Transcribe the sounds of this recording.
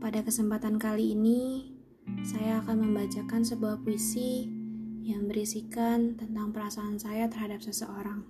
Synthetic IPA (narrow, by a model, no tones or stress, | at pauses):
padakəsəmpat̪ankaliːni | sajaːkanməmbat͡ʃakansəbuahpuisi | jaŋbəɾisikant̪ənt̪aŋpəɾasaːnsajat̪ərɦadap̚səsəʔoɾaŋ